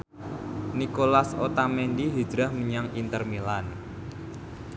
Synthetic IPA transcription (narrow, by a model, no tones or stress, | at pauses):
nikolaso̰t̪amɛndiɦid͡ʒɾahməɲaŋint̪ərmilan